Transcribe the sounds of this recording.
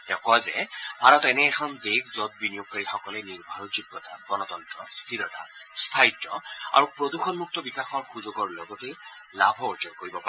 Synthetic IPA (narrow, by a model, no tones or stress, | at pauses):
tɛ̃ʊ̃kɔjzɛbʱaɹɔtɛnɛːkʰɔndeɡzɔt̚binijoɡ̚kaɹixɔkɔlɛniɹbʱaɹɔd͡ʒibːɔtaɡɔnɔt̪ɔntɹɔ̰st̪ʰilɔta̰st̪ʰaitːɹɔ̰a̰ɹupɹoduxɔnmuk̚tɔbikaxɔɹxuzoɡɔɹlɔɡɔte | labʱɔɔd͡ʒɔɹkoɹibɔpa